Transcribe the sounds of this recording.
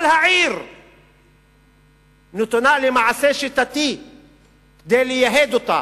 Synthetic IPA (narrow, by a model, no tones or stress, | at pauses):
lhaʕiːɾ | nut̪unaːlimaʕaseʃit̪at̪i | d̪eːlijaɦeːd̪ut̪a